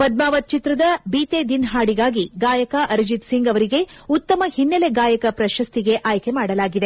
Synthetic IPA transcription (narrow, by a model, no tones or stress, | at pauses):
pɐd̪̚maːʋɐt̪̚t͡ʃit̪ɾɐd̪ɐbiːt̪ed̪inɦaːɽiɡaːɡiɡaːjɐkɐʔɐɾd͡ʒit̪siŋɡɐʋɐɾiɡe̞ut̪ːɐmɐhinːɐle̞ɡaːjɐkɐpɾɐʃɐst̪iɡe̞ʔaːjkemaːɽɐlaːɡid̪e